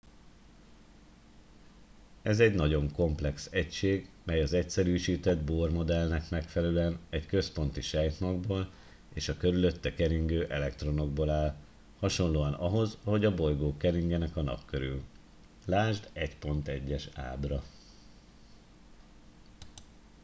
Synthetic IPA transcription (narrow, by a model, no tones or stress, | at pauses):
ɛzɛɟnɒɟo̞ŋko̞mplɛksɛcʃeːɡmɛjɒzɛcsɛɾyːʃiːt̪ɛd̪boːrmo̞d̪ɛlnɛkmɛkfɛlɛløɛnɛckø̞spo̞n̪t̪iʃɛjt̪mɒɡboːl | eːʃɒkø̞ɾylø̞t̪ːɛkɛɾiŋɡøːʔɛlɛkt̪ro̞no̞ɡboːlaːl | hɒʃo̞nloːɒnɒɦo̞zɒɦo̞ɟɒbo̞jɡoːkɛɾiŋɡɛnɛkɒnɒ̰pkøɾy̰l | laːʒd̪ɛcpo̞nt̪ɛɟːɛʃa̰ːbrɒ